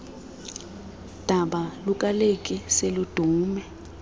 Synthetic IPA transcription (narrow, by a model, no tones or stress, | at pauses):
d̥ʱaɓalukʼalekʼiselud̥ʱuːmɛ